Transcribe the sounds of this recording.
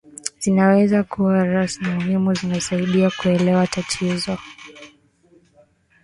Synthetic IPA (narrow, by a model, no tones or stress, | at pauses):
z̥inawɛzakʰuwaɾasmimuɦimuzinasaiɗiakuɛlɛwatatʰizɔ